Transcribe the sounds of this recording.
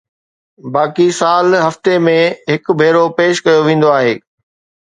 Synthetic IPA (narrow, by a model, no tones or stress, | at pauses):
baːkisaːlɦɐft̪emẽɦɪkbʱeːɾopeːʃkɐjoʋẽːn̆d̪oaːɦeː